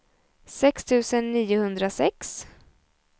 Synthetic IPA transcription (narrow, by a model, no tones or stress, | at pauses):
sɛkst̪ʰʉ̟ːsənːiːʊhɵnd̪ɾasɛks